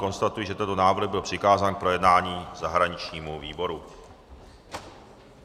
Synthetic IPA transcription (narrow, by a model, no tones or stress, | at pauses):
ko̞nst̪at̪ujɪʒɛt̪ɛnt̪onaːvɾ̩ɣbɪlpr̥ɪkaːzaːnk̚pɾo̞jɛdnaːɲiːzaɦɾaɲɪt͡ʃɲiːmuviːbo̞ɾu